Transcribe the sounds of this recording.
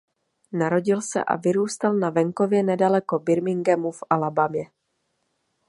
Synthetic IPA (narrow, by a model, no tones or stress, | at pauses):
naɾo̞ɟɪlsɛ̰ʔa̰vɪɾuːst̪alnavɛŋko̞vjɛnɛdalɛko̞bɪɾmɪŋɡɛmufʔalabamjɛ